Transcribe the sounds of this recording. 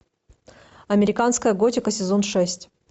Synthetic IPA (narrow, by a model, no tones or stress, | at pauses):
ɐmʲɪɾʲɪkanskəjəɡotʲɪkəsʲɪzo̞nʂɛsʲtʲ